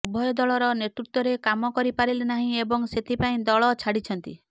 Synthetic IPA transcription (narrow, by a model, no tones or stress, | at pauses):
ubʱɔjɔd̪ɔɭɔɾɔneʈɾut̪wɔɾekamɔkɔɾipaɾilenaɦĩebɔŋset̪ʰipaĩd̪ɔɭɔt͡ʃʰaɽit͡ʃʰɔnt̪ḭ